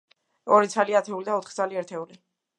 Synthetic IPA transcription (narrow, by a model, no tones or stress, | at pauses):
ɔɾit̪sʰaliat̪ʰɛulid̪aɔt̪ʰχt̪sʰaliɛɾt̪ʰɛuli